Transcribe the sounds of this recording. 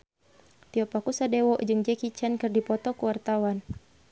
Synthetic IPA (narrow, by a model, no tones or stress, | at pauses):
t̪iɔpakusadɛwɔʔd͡ʒɨŋd͡ʒɛkit͡ʃankɨrdipɔt̪ɔkuwart̪awan